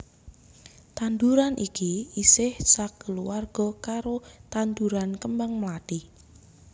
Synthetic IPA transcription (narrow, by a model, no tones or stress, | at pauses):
t̪and̪uɾanʔikiisɪhsakəluwarɡ̥ɔ̤kaɾot̪and̪uɾankəmbaŋmlat̪i